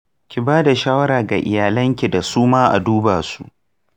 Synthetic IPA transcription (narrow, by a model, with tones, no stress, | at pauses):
kʲi˨baː˦da˨ʃaː˦wɐ˦ɾaː˨ɡa˨ʔɪ̰˨jaː˨lɐ˦ŋkʲi˨da˨suː˦maː˦ʔa̰˨duː˦ba˨su˦ʔ